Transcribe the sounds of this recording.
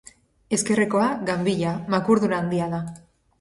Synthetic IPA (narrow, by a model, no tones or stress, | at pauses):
e̞ske̞re̞ko̞aɡambiʎamakuɾðunaːnd̪iaða